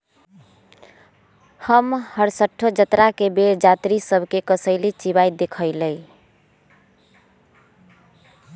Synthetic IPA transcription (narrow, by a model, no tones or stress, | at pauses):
həmhəɾsəʈʰːod͡ʒət̪ɾakebeɾd͡ʒat̪ɾisəbʱkekəsəɪlit͡ʃiβajd̪ekʰəɪləj